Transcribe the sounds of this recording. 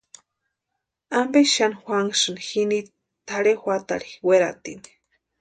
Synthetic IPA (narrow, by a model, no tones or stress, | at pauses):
ambeʃanixʷaŋʂɨnxini | t̪aɽexʷat̪a̰ɾiweɾat̪ḭni̥